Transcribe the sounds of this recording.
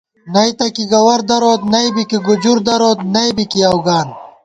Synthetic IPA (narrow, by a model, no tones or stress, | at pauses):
nɐjt̪ɐkiɡɐwɐɾd̪ɐɾoːt̪nɐjbikiɡud͡ʑuɾd̪ɐɾoːt̪nɐjbikiɐwɡaːn